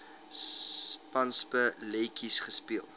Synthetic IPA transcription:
pɐnspəlejkʰisχəspiəlˠ

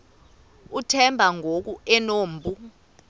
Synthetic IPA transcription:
utʰɛmbʱaŋʱok̬uɛnoːmbʱu

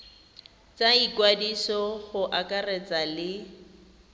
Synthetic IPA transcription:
t͡saikwadisɔχʊʔakʼarɛt͡sʼalɪ

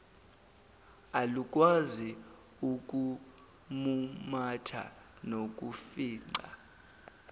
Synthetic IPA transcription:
aluk̬ʼwazi | uk̬ʼu | mumatʰa̰ | nok̬ʼufiːŋ͡ǀa̰

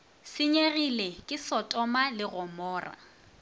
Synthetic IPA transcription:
sɪɲeɣilekʼɪsɔtʼɔmalɪɣɔmɔːra̰

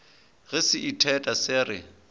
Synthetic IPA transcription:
ɣɪsɪʔitʰɛtʼasɪrɪ̰

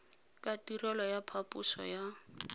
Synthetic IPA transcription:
kʼatirɔlɔjapʰapusɔ̰ja

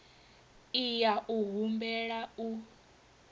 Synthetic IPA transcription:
ijaʔuɦumbɛɺau

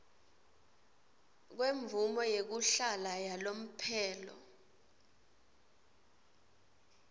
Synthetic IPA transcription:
k̬weɱvumɔjek̬uɬalajalom̩pʰɛːlɔ̰

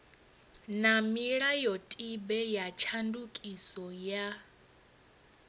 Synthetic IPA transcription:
namiɺajɔtʼibɛjat͡ʃʰandukʼisɔja

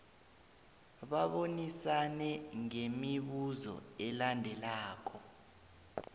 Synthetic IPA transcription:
ɓaɓonisanɛŋemiɓuzɔ̰ɛlandʱɛlaːkʰɔ

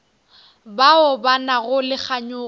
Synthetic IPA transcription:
baʊbanaɣʊlɪk͡xʰaɲʊ

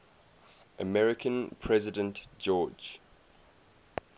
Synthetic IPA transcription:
ʔəmɛɹɪkʰə̃npʰɹɛzɪdə̃ntd͡ʒɔːd͡ʒ

